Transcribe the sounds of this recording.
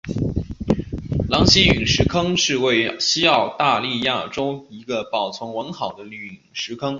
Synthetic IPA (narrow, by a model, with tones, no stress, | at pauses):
lɑ˧˥ŋɕi˥y˨˩ŋʂɻ̩˧˥kʰɤ˥ŋʂɻ̩˥˧we˥˩ɪɕi˥ɑ˥˧ʊt̪a˥˧li˥˧ja˥˩ʈ͡ʂo˥ʊi˧˥ɡə˧pɑ˨˩ʊt͡sʰwʊ˧˥ŋwə˧˥ŋxɑ˨˩ʊd̪ə˦ly˧˩˨ŋ˩ʂɻ̩˧˥kʰɤ˥ŋ